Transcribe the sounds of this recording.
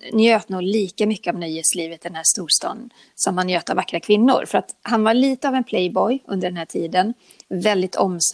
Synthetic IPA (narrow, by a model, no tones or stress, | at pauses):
njøːt̪nuːɡliːkamʏkːəɔmnœjheːt̪sliːvət̪̚d̪ɛnhæːʂt̪uːʂt̪ɑ̰ːd̪ | samːanjøːt̪avakːɾakʰvɪnːʊ̰ɾfœɾat̪ɦanvaɭiːt̪əavɛnpʰlɛjbɔjɵ̰nd̪əɖɛnhæːʈʰiːd̪ən | vɛld̪ɪt̪ʰɔms